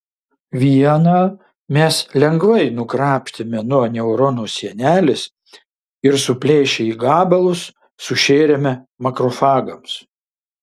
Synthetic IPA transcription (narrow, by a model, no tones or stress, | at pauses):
ʋʲiɛnɑː | mʲɛslʲɛŋɡʋɐɪnʊkɾɑːpʲʃʲt̪ʲɪmʲɛnuɔnʲɛʊɾɔnoːsʲiɛnʲæːlʲɪs | ɪɾsʊpʲlʲeːʃʲɛiːɡɑːbɐlˠʊsː | ʊʃʲeːɾʲɛmʲɛ | mɐkɾɔfɑːɡɐms